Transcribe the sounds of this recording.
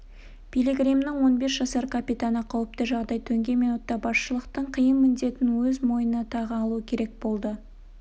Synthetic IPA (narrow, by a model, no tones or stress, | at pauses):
b̥ʲilʲeɡrʲijmnɪŋwo̞nbe̞sʒ̥ɑsɑɾkʰapʲijt̪anəqʰɑwəp̚t̪əʒɑʁd̪ɑjt̪ʰɵŋɡʲe̞menwot̪ːɑbɑsʃəlˠəqt̪əɴqʰəjəmːʏnd̪e̞t̪ɪnwɵzmo̞jənɑt̪ʰɑʁəɑlˠuəkʲʰe̞ɾe̞k̚b̥o̞lˠd̪ə